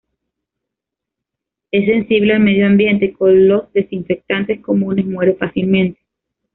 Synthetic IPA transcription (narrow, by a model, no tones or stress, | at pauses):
e̞sːe̞nsiβlealme̞ðjoambje̞nt̪ekonlo̞zðe̞siɱfek̚t̪ant̪esko̞mũne̞zmwe̞ɾefasilmẽnt̪e̥